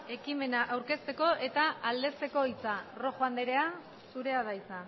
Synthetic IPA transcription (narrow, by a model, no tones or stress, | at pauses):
e̞kime̞naʔawɾke̞st̪e̞ko̞ʔe̞t̪aald̪e̞st̪e̞ko̞it͡saro̞xoand̪eɾe̞a | suɾe̞að̞ajt͡sa